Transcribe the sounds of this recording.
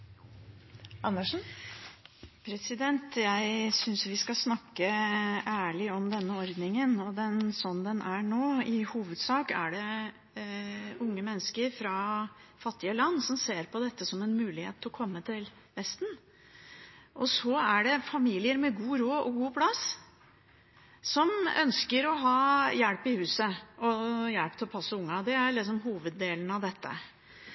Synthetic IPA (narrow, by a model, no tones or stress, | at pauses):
ɑnːəʂn̩ | pʰɾɛsɪd̪ɛnt̪jæɪsʏnsʋɪskɑsnɑkːəʔæːɭɪɔmd̪ɛnːəɔɾd̪nɪŋənɔd̪ɛnsɔnd̪ɛnʔæɳoːɪhuːʋəd̪sɑːkæ̰ɖɛ | ʊŋːəmɛnːəskəɾfɾɑfɑt̪ːɪəlɑnːsɔmseːɾpɔd̪ɛt̪ːəsɔmɛnmʉːlɪhḛːt̪ʰːlɔkʰɔmːət̪ʰɪl | ʋɛst̪n̩ | ʔɔsɔæɖɛfɑmiːlɪəɾmɛɡuːɾoːɔ̰ɡuːpʰlɑs | sɔmœ̰nskəɾɔɦɑːjælpɪhʉːsəɔjælpt̪ʰɪlɔpʰɑsːəʊŋːɑd̪ɛæɭɪs̬ɔmɦuːʋəd̪ːeːln̩ɑʋd̪ɛt̪ʰːə̰